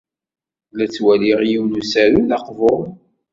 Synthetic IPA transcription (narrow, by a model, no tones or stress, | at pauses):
læt͡sːwæliʁjiwnusæɾulɑqvoˤ